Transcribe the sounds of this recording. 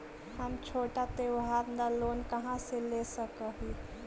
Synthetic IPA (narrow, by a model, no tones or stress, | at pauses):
həmt͡ʃʰoʈat̪ewɦaɾnd̪alonkəɦãselesəkəɦi